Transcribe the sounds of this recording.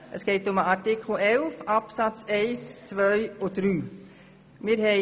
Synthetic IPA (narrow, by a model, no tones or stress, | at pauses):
ʔəsɡ̥eɪtʊməɑɾtɪkʰl̩ˠɛlfɑpsɑt͡seɪst͡sʋœɥɔd̥ɾyː | mɪːɾɦɛ